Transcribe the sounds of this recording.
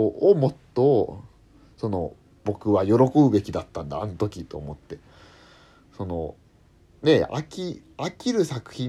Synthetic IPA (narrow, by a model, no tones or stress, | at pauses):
mo̞t̪ːo̞ | so̞no̞̰ | bo̞kɯ̟βajo̞ɾo̞ko̞bɯ̟be̞kʲid̪at̪ːãnd̪aːnot̪o̞kʲit̪o̞ːmo̞t̪ːe̞ | so̞no̞ | ne̞a̰kʲi | akʲiɾɯ̟sakɯ̟̥çĩ